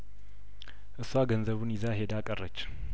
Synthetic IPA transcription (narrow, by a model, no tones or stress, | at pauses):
ʔɨswaɡənzəβunjɪzaɦed̪akʼərːət͡ʃː